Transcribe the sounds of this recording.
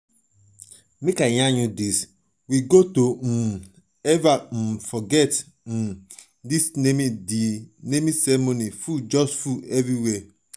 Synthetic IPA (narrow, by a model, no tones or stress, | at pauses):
mekaɲãɲudis | wiɡotom̩ | ɛvam̩fɔɡɛt | m̩ | disnemidinemisɛmonifud͡ʒɔstfuɛviwɛ